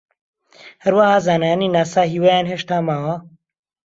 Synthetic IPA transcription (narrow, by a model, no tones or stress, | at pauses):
hɐɾwahaːzaːnaːniːnaːsaːɦiːwaːjaːnɦeːʃt̪aːmaːwɐ